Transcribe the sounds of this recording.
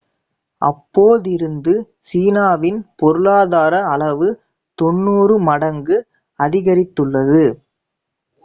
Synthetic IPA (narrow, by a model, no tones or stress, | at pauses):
ʔɐ̰pːoːðɪɾɯnd̪ɯ | siːnaːʋɪnpɔɾɯɭaːðaːɾɐːɭɐʋɯ | t̪ɔnːuːrɯmɐɽɐŋɡɯ | ɐðɪɣɐɾɪt̪ːɯɭːɐðɯ